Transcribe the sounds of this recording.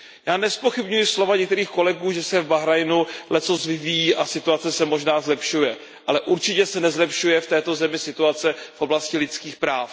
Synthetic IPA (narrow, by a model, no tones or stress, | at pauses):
jaːnɛspo̞xɪbɲujɪslo̞vaɲɛk̚t̪ɛɾiːxko̞lɛɡuːʒɛsɛvbaɦɾajnulɛt͡sosvɪvijiːʔasɪt̪uat͡sɛsɛmo̞ʒnaːzlɛpʃujɛ | ʔalɛʔuɾt͡ʃɪcɛsɛnɛzlɛpʃujɛft̪ɛːt̪o̞zɛmɪsɪt̪uat͡sɛfʔo̞blascɪlɪt͡skiːxpɾaːf